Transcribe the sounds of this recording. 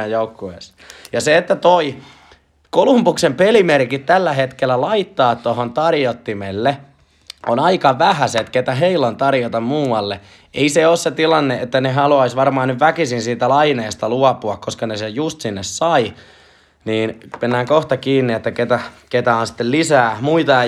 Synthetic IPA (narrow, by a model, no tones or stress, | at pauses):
æjjoukːuḛs | jɑseet̪ːæt̪oi | kolumpuksempelimerkit̪t̪ælːæhet̪kelːˑælɑit̪ːɑːt̪t̪ohont̪ɑrjot̪ːimelːe | ʔonɑikɑʋæhæset̪ket̪æɦeilont̪ɑrjot̪ɑmmuːɑlːe | ʔeiseoːsset̪ilɑnːeʔet̪ːæneɦɑluɑisʋɑrmɑːnnyʋʋækisinsiːt̪ælɑineːst̪ɑluɑpuɑkkoskɑnesejjust̪sinːessɑi | niːnmenːæːŋkoht̪ɑkiːnːiet̪ːæket̪æket̪æonsi̥t̪ːellisæːmuit̪ɑ